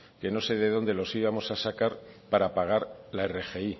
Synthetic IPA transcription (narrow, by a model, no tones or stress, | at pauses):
ke̞no̞se̞ðe̞ðo̞nd̪e̞lo̞siβamo̞sasakaɾpaɾapaɣ̞aɾlae̞re̞xe̞i